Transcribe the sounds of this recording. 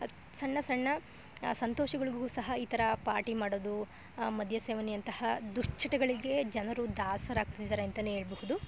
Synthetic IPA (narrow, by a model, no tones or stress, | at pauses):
sɐɳːɐsɐɳːɐ | sɐnt̪ɔːʃɐɡɐɭiɡɡuːsɐɦɐiːt̪ɐɾɐpaːɾʈimaːɽoːd̪u | mɐd̪ʱjɐseːʋɐnijɐnt̪ɐhɐd̪uʂt͡ʃʰːɐʈɐɡɐɭiɡe̞d͡ʒɐnɐɾud̪aːsɐɾaːɡ̚t̪ɐd̪id̪ɐːɾeːnt̪ɐnue̞ːɭɐbɐhud̪u